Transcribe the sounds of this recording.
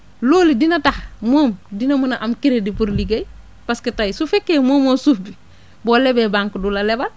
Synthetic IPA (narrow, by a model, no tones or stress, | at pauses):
loːlidinataxmoːmdinamunaʔamkiɾedipuɾliɡej | pasketajisufekːemoːmosufbi | boːlebebaŋkdulalebal